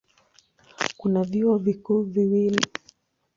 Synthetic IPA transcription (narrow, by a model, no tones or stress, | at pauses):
kunaviɔvikuːviwili